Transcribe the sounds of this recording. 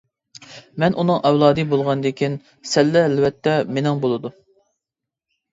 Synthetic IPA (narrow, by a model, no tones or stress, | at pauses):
mɛnʔunɨŋʔɛwlˠɑːd̪ɨbolˠʁɑnd̪ekʲʰin | sɛlːɛælwɛt̪ʰːɛmenɪŋbolˠɨd̪u